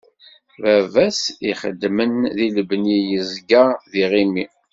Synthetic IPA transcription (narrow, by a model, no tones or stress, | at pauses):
vævæsiχə̰d̪ːmənðiləbnijəzɡaðiʁimi